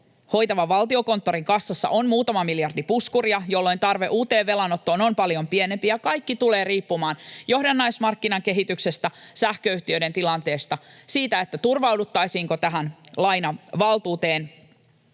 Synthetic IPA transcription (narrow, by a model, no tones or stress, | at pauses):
ho̞jt̪ɑʋɑʋɑlt̪io̞ko̞nt̪ːo̞ɾiŋkɑsːɑsːɑ̰ʔonmuːt̪ɑmɑmiljɑrdipuskuriɑjolːo̞jnt̪ɑrʋe̞ʔuːt̪e̞ːʋːe̞lɑnot̪ːoːnompɑljo̞mpie̞ne̞mpijɑkɑjkːit̪ule̞ːɾiːpːumɑːnjo̞hdɑnːɑjsmɑrkːinɑŋke̞ɦit̪ykse̞st̪æsæhkøyht̪iøjdɾe̞nt̪ilɑnt̪e̞ːst̪ɑsiːt̪æe̞t̪ːæt̪urʋɑwdut̪ːɑjsiːŋko̞t̪æɦænlɑjnɑʋɑlt̪uːt̪e̞ːn